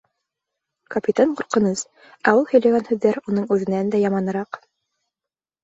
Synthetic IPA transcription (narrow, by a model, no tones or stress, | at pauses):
kɐpʲit̪aɴqŭɾqɤ̆nɤs | æulˠhɵ̆jlæɡænhʉðːæɾunɤɴʉðɘ̆nænd̪æjɑmɑnɤ̆ɾɑq